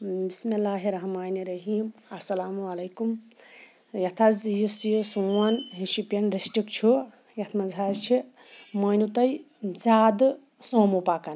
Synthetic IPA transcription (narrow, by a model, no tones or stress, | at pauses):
bismilːaːɦiɾɐɦmaːniɾɐɦiːmɐsɐlaːmuɐlɐjkum | jɐt̪ʰɐzjisjsuwɐnɦiʃipʲɐnɾisʈikt͡ʃʰu | jɐt̪ʰmɐnzʱaːɾt͡ʃʰi | mɐːnut̪ɐj | zaːd̪ | soːmupakɐn